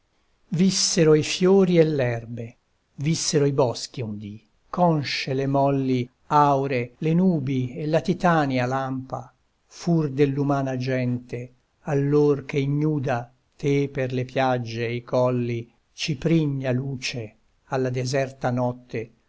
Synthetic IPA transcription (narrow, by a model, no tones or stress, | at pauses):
visːeɾoifjoːɾielːɛrbe | visːeɾoibɔsk̟iund̪i | kɔnʃelemɔlːi | awɾelenuːbielːat̪it̪aːnialampa | furd̪elːumaːnad͡ʒɛnt̪e | alːorkeiɲːuːd̪a | t̪eperlepjad͡ʒːeikɔlːi | t͡ʃipɾiɲːaluːt͡ʃe | alːad̪ezɛrt̪anɔt̪ːe